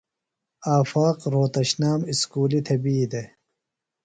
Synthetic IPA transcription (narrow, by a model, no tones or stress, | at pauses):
aːfaːqɾoːt̪ɐɕnaːmiskuːlit̪ʰɐbiːd̪e